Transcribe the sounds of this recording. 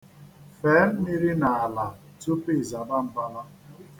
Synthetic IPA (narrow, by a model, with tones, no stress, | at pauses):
feː˨˦n̩˦ni˦ɾi˦na˨a˨la˨ | tu˦pi˦˨za˨ba˦m̩˨ba˦la˦